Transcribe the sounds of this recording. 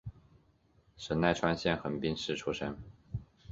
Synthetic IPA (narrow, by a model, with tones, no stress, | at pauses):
ʂə˧˥nna˥˩ɪʈ͡ʂʰwa˥nɕjɛ˥˩nxə˨˩npi˥nʂɻ̩˥˩ʈ͡ʂʰu˥ʂə˥n